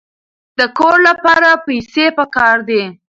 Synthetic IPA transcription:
d̪əkoɾlapɑɾapajsepəkɑɾd̪e

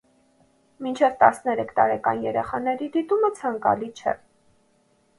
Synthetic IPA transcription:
mint͡ʃʰɛvt̪ɑsnɛɾɛkʰt̪ɑɾɛkɑ̰njɛɾɛχɑnɛɾid̪it̪umət͡sʰɑŋkɑ̰lit͡ʃʰɛ̰

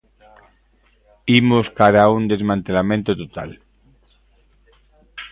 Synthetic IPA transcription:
imoskaɾaund̪e̞zmãnt̪elamẽnt̪ot̪ot̪a̰l

